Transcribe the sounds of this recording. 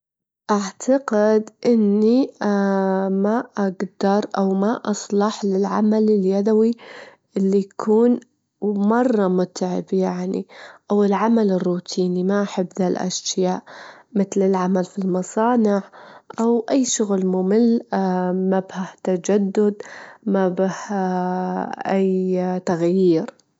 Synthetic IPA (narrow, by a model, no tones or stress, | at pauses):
ʔaʕt̪ʰaqɪd̪ʔɪnːi | maʔaɡd̪̥ɑɾˤʔawmaʔɑsˤlɑħlɪlʕa̰malɪljad̪awi | ʔɪlːijkʰuːn | mɑrˤːɑmʊt̪ʕɪbjaʕnḭʔawɪlʕamalɪrːuːt̪ʰiːnimaʔaħɪbːðalʔa̰ʃjaːʔmɪθlɪlʕamalfilmɑsˤɑːnɪʕʔawʔajːʃʊɣlmʊmɪlː | mabhaht̪ad͡ʒad̪ːʊd̪mabah | ʔajt̪aɣjiːɾ